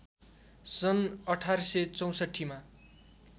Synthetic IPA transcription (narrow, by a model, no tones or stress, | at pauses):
sʌnʌʈʰarsʌt͡sʌw̃sʌʈʰːima